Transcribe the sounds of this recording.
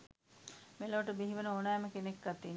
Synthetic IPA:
meloːʈəbiɦiʋenəonaːməkenekɡat̪iː

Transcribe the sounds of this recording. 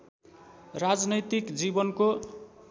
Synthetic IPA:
rad͡znʌjt̪ikd͡zibʌnko

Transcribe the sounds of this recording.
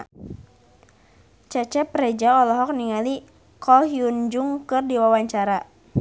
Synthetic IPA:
t͡ʃat͡ʃɛpɾɛd͡ʒaɔlɔɦɔk̚niŋali | kʰɔɦiund͡ʒuŋkɨrdiwawaɲt͡ʃaɾa

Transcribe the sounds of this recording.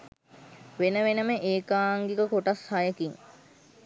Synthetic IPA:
ʋenəʋenəməʔeːkaːŋɡikəkoʈashajəkiŋ

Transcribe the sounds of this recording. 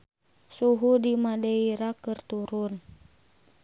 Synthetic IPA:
suɦudimadɛiɾakɨrt̪uɾun

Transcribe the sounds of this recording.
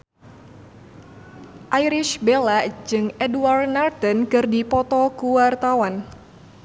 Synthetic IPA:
ʔajɾɪʃbelaʔd͡ʒɨŋʔɛdwart̪nard̪ənkɨrdipɔt̪ɔkuwart̪awan

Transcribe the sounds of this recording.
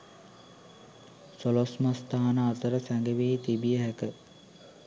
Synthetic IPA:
solosmast̪aːanəat̪əɾəsæŋɡəʋeːt̪ibijəɦækə

